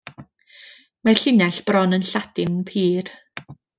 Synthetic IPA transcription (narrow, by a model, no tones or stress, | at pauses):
maɬɪnɛɬb̥rɔnənɬadɪnpʰiːr